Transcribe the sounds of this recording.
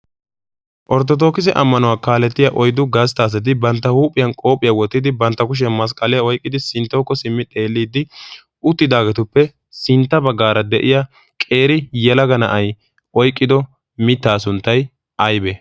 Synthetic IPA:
ʔɔɾt̪ːɔt̪̬o̞ːkɪzɛʔɐmːɐnʊwaːkaːlɛt̪ːɪjɐʔɔjd̪ʊɡɐst̪aːs̬ɐt̪̬ɪbɐnt̪ːɐhuːpʼːɪjɐnkʼo̞ːpʼɪjɐwɔt̪ːɪd̪ɪbɐnt̪ːɐkʊʃ̬ɐnmɐs̬kʼɐlɛjɐɔjkʼːɪd̪ɪsɪnt̪ːoːkːɔsɪmːɪt̪ʼe̞ːlːiːd̪ɪ | ʔʊt̪ːɪd̪aːɡɛt̪ʊpːɛ | sɪnt̪ːɐbɐɡːaːɾɐd̪ɛʔɪja | kʼe̞ːɾɪjɛlɐɡɐnɐʔɐj | ʔɔjkʼːɪd̪ɔ | mɪt̪ːaːsʊnt̪ːɐj | ʔɐjbɛ

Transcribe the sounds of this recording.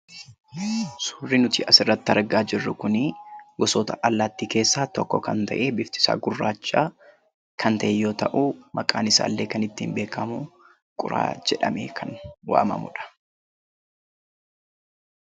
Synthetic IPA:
sʊ̥ːrːɪnʊt̪ɪʔɐsɪrːɐt̪ːɪɐɾɡaːd͡ʒɪrːʊkʊnɪɡɔsoːt̪ɐ̰ʔɐlːat̪ːiːke̞ːsːaːt̪ɔkːɔkɐnt̪ɐ̰ʔe̞ːbɪft̪ɪ̥sa̰ːɡʊrːaːt͡ʃʼːaː | kʰɐnt̪ɐʔɛjo̞ːt̪ɐʔuːmɐkʼaːnɪsa̰ːlːe̞ːkɐnɪt̪ːiːmbe̞ːkɐmʊ | kʼʊ̰ɾa̰ːd͡ʒɛᶑɐmeːkʰɐnwa̰ːmɐ̰mʊ̰ᶑɐ̥

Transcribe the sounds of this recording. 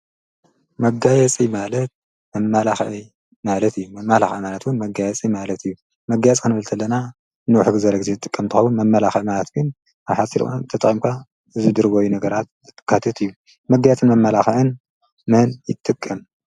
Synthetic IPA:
mɐɡajɛt͡sʼimalɐt̪̚ | mɐmːalaxʕi | malɐt̪ɨjːumɐmːalaxɐʕimalɐt̪wunmɐɡajɛt͡sʼimalɐt̪ʰɨjːu | mɐɡːajɛt͡sʼkʰɨnɨβɨlt̪ʰɐlːɐna | nɨuħuɡɨzɐɾɐɡɨzezɨt̪ʼɨkʼːɐmt̪ɨxɐwunmɐmːɐlaxʕimalɐt̪ɡɨn | ʔaβħasiɾt̪ʰɐt̪ɨχʼimkʰa | ɨzɨd̪ɨɾbojunɐɡɐɾat̪̚zɨt̪ʼːɨ̥kʰːat̪ʰɐt̪ʰɨjːu | mɐɡajɛt͡sʼɨnmɐmːalaxɐʕɨn | mɐnjɪt̪ʼːɨkʼːɐm

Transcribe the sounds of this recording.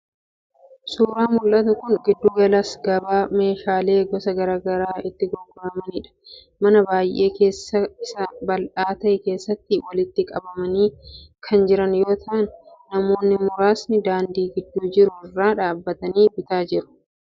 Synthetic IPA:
suːɾaːmʊlʔɐt̪ɐkʊŋɡɪd̪ːuːɡɐlasɡɐbaːme̞ːʃaːle̞ːɡɔsɐɡɐɾaːɡɐɾaːɪt̪ːɪɡɔɡɔɾɐmɐniːᶑɐ̥ | mɐnɐbaːjʔe̞ːke̞ːsːɐɪsɐbɐlʔaːt̪ɐʔɛke̞ːsːɐt̪ːɪwɐlɪt̪ːɪkʼɐbɐmɐniːkʰɐnd͡ʒɪɾɐnjo̞ːt̪ʰɐʔɐnːɐmo̞ːnːɪmʊɾaːsnɪd̪aːnd̪iːɡɪd̪ːuːd͡ʒɪɾʊɪrːaːᶑaːbːɐt̪ɐniːbɪt̪aːd͡ʒɪɾʊ̥

